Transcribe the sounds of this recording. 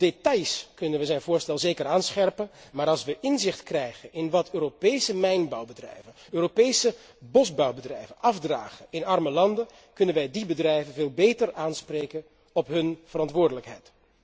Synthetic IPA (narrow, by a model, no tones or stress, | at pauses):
d̥etɑjskɵnənʋəzɛjnvʊːɹstɛlˠzejkəɾaːnsχɛrpənmaːɾɑlˠsʋəʔɪnzɪχtkrɛjχənɪnʋɑtʰøːropejsəmɛjnbɑwbədrɛ̰jvənøːropejsə | bɔzbɑwbədrɛ̰jvənʔɑvdra̰ːχəɪnɑrməlɑndən | kɵnənʋɛjdibədrɛjvənveːlˠbejtəraːnsprejkən | ɔpɦɵnvərɑntʋʊːɹdələkɦɛ̰jt